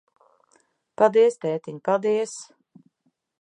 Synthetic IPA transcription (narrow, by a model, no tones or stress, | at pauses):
pad̪iɛst̪ɛːt̪iɲpad̪iɛs